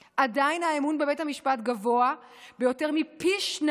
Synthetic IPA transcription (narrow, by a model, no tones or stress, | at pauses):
ʔadajnaemunbebe̞thamiʃpatɡavo̞abe̞jo̞te̞ʁmipiʃn